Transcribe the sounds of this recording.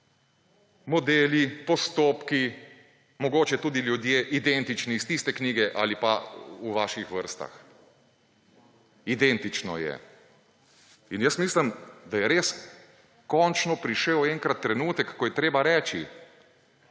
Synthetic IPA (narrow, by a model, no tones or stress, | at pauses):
mɔd̪eːlipɔst̪oːpki | mɔɡoːt͡ʃɛt̪uːd̪ilʲjud̪jeːʔid̪ent̪it͡ʃniːst̪ist̪ɛkniːɡɛʔa̰lipa̰uʋaːʃixʋəɾst̪a̰x | id̪ɛnt̪it͡ʃnɔ̰jɛ̰ | injəsmiːslimd̪ajɛɾeːs | kɔnt͡ʃnɔpɾiʃɛwɛŋkɾat̪ːɾɛnuːt̪ɛkːɔjɛt̪ɾeːbaɾɛːt͡ʃi